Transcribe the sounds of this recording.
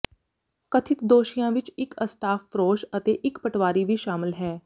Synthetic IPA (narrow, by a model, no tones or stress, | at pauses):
kət̪ʰɪt̪d̪oːʃɪjãːʋɪt͡ʃɪkəst̪aːfɾoːʃət̪eːʔɪkpəʈʋaːɾiːʋiːʃaːmɪlɦɛː